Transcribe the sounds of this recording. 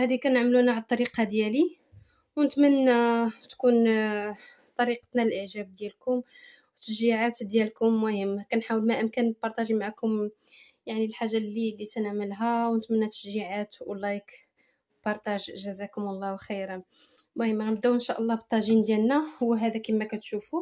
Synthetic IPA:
hæd̪ikænəʕmlunaʕalt̪ːˤɑɾiqɑd̪jæli | wnət̪mənːæt̪kun | t̪ˤɑɾiqə̥t̪nælʔəʕʒæb̚d̪jælkʊm | wt̪ːəʃiʕat̪d̪jælkʊmːʊhəmːakænħawəlmæʔəmkænbɑɾˤt̪æʒimaʕakʊm | jaʕnilħaʒːalːilːit̪ænəʕməlɦæwnət̪mənːæt̪ːəʒiʕat̪w̰lːɑjk | pɑɾˤt̪æʒʒəzækʊmlˤːɑwxiɾ | mʊhəmːabd̪æwʔənʃæʔəlˤːɑbət̪ˤːɑʒind̪jælnæhʊwːɦæd̪ækimːækæt̪ʃufu

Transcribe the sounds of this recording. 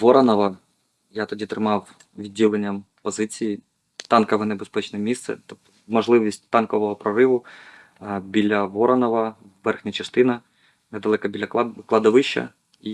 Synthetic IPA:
ʋɔɾɐnɔʋɐ | jat̪ɔdʲit̪ɾɪmɑw | ʋʲidʲːilˠenʲːɐm | pɔzɪt͡sʲiji | t̪ɑnkɔʋɛnebespɛt͡ʃnɛmʲist̪sɛ̰t̪ɔ | mɔʒlˠɪʋʲisʲt̚ʲt̪ɑnkɔʋɔɦɔpɾɔɾɪʋʊ | bʲilʲɐʋɔɾɐnɔʋɐː | ɛrxnʲɐt͡ʃɐst̪ɪnɐ | nɛd̪ɐlˠɛkɐbʲilʲɐklˠɑd̪ɔʋɪʃt͡ʃɐ̰ | i

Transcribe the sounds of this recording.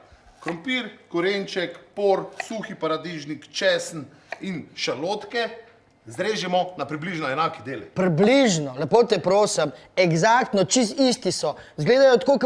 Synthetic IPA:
kɾɔmpiɾkɔɾent͡ʃɛkpoːɾsuxipaɾad̪iʒnikt͡ʃɛsn̩ | inʃaloːt̪kɛ | zɾeːʒimɔnapɾibliʒnɔɛnaːkid̪eːlɛpɾibliʒnɔlɛpoːt̪ɛpɾoːsɛm | ɛɡzakt̪nɔt͡ʃis̬t̪ist̪isɔ | zɡleːd̪ajɔt̪koːk

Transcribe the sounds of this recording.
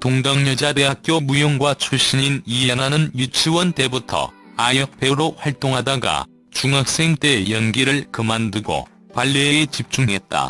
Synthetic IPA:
toŋdʌŋɲʌd͡ʑade̞ɦak̚k͈jomujoŋɡwat͡ɕʰuɭɕ͈iɲinijenanɯnjut͡ɕʰiwʌnte̞butʰʌ̰ | ajʌk̚p͈eɾoɸwaɭt͈oŋɦadaɡa̰ | t͡ɕuŋɦak̚s͈e̞ŋt͈e̞jʌnɡiɾɯɭkɯmandɯɡo̰ | kwaɭːeeɡet͡ɕip̚t͡ɕ͈uŋɦe̞t̚t͈a̰

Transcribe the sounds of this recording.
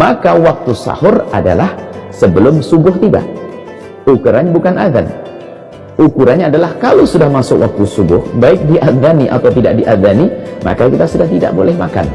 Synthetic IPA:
makawak̚t̪usa̰hʊrada̰lahsəbəlʊmsubʊht̪iba̰ | ukuɾaɲbukanaða̰n | ʔukuɾanɲaːdalahkalowsudahmasʊkwak̚t̪usubʊhbaɪk̚diʔaðaniʔa̰t̪awt̪idaʔ̚diʔaðanima̰kakit̪asudaht̪ida̰ʔbolɛhmaka̰n

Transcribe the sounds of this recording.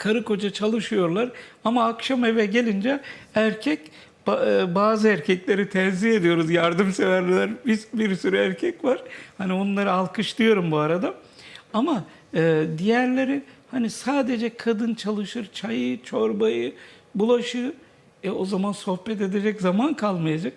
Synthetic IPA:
kʰaɾɯko̞d͡ʒat͡ʃʰalˠɯʃɯjo̞ɾlˠaɾamaːkʃame̞vɛɟe̞lʲind͡ʒɛæɾcʰɛcː | baːzɯæɾcʰɛclʲe̞ɾit̪ʰɛnziɦe̞d̪ijo̞ɾuzjaɾd̪ɯmse̞væɾlʲilʲæɾbisbiɾsyɾyæɾcʰɛcvaɾ̥haniounˠaɾɯalˠkɯʃt̪ˠɯjo̞ɾumbuaɾad̪a | ama | ɯːd̪ijæɾlʲe̞ɾihanisaːd̪e̞d͡ʒɛkʰad̪ɯnt͡ʃʰalˠɯʃɯɾt͡ʃʰajɯt͡ʃʰo̞ɾbajɯ | bulˠaʃɯ | ɛo̞zamanso̞hbɛt̪e̞d̪e̞d͡ʒɛczamankʰalˠmajad͡ʒak̚

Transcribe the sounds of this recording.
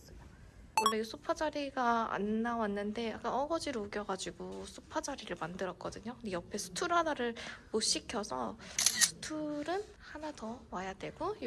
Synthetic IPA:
wʌɭːe̞osʰupʰad͡ʑaɾiɡaa̰nːawanːɯnde̞jak͈anʌɡʌd͡ʑiɾouɡjʌɡad͡ʑiɡusʰupʰad͡ʑaɾiɾɯɭmandɯɾʌk͈̚ʌdɯɲonijʌpʰe̞sʰu̥tʰuɾɦadaɾɯɭpoɕ͈ʰikʰjʌsʰʌ̰sʰu̥tʰuɾɯn | hanatʌwajadwe̞ɡoj

